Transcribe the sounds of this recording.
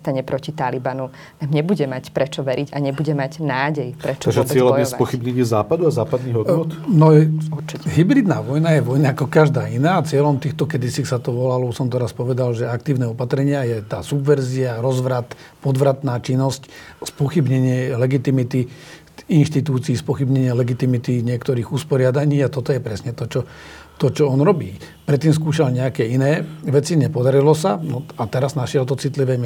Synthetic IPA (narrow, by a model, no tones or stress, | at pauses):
st̪aɲɛpɾɔcit̪alibanu | namɲɛbuɟɛmacpɾɛt͡ʃɔʋɛɾʔiɟaɲɛbuɟɛmaɟnaːɟɛjpɾɛt͡ʃɔaɡʒɛt͡sɪɛlaɔɛsapɔxibɲɛɲɪɛzaːpad̪uazaːpad̪niɣɦɔd̪ɔt̪nɔjɛt͡ʃɦibɾid̪naːʋɔjnajɛʋɔjnaːkɔkaʒd̪aːinaːt͡sɪɛlɔmt̪iːxt̪ɔkɛd̪isisat̪ɔʋɔlalɔusɔmt̪ɛɾaspɔʋɛd̪alʒɛakt̪iːʊnɛɔpat̪ɾɛɲɪajɛt̪aːsubʋɛɾziaɾɔzʋɾat̪ | pɔd̪ʋɾat̪naːt͡ʃinːɔscspɔxibɲɛɲɪɛlɛɡit̪imit̪i | inʃt̪it̪uːt͡siːspɔxibɲɛɲɪɛlɛɡit̪imit̪iɲɪɛkt̪ɔɾiːɣuspɔɾɪad̪aɲiːat̪ɔt̪ɔjɛpɾɛsɲɛt̪ɔt͡ʃɔ | t̪ɔt͡ʃɔɔnɾɔbiː | pɾɛt̪ːiːmskuːʃalɲɛakɛinɛːʋɛt͡siɲɛpɔd̪aɾilɔsanɔat̪ɛɾaznaʃɪɛlt̪ɔt͡sit̪liʋɛːm